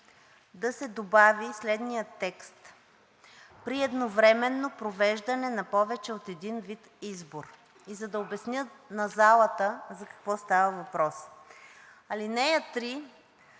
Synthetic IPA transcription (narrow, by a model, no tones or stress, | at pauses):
d̪ɐsɛd̪obavislɛd̪nijət̪ːɛkst̪ | pɾiɛd̪novɾɛmɛnːopɾovɛʒd̪ɐnɛnɐpɔvɛt͡ʃɛot̪ɛd̪invit̪izboɾ | izɐd̪ɐobɛsnʲjɤnɐzalˠət̪əzɐkɐ̥kvɔst̪avəvɐpɾɔs | ɐlinɛjət̪ɾi